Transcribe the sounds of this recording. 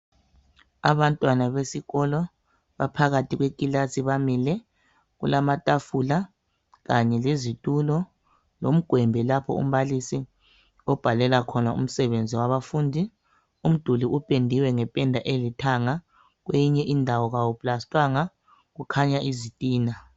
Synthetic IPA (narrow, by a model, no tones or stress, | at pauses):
a̰βantʼwanaβesiɣɔlɔ | βapʰaɣatʰiɣwekʼilasiβamilɛ | ɣulamatʼafula | ɣaɲɛlezitʼulɔ | lom̩ɡ̥ʱwɛmbʱɛlapʰɔ̰ṵm̩βalisi | ɔb̥ʱalɛlakʰɔnaṵm̩sɛβend͡zʱiwaβafuːndʱi | um̩d̥ʱuliʔupʼendʱiwɛŋɛpʼɛndʱaʔelitʰaŋa | ɣ̬wejiɲɛʔindʱawɔɣawupʼlastʼwaŋa | ɣukʰaɲaʔizitʼiːna